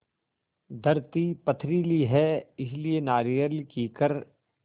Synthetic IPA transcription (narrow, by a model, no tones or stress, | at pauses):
d̪ʱɐɾt̪ipɐt̪ʰɾiliɦɛɪslienaːɾijəɾlikiːkəɾ